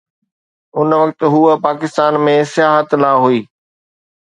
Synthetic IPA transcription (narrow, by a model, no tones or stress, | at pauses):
ʊnʋɐkt̪ɦuəpaːkɪst̪aːnmẽsɪjaːɦət̪laːɦuiː